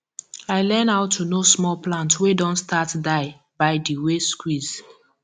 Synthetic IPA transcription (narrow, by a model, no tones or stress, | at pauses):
aɪlɛnaʊtʰːunosmɔlplãntwedɔ̃ntstatdaɪ | baɪdiweskwiz̥